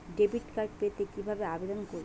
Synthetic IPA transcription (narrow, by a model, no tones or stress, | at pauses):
ɖebiʈkaɾʈ̚pet̪ekibʱabeabed̪onkoɾ